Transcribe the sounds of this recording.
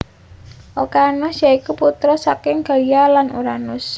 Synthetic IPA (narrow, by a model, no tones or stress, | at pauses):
ʔokanʊsjaikuput̪ɾɔsakɪŋɡ̥a̤lijalanuɾanʊs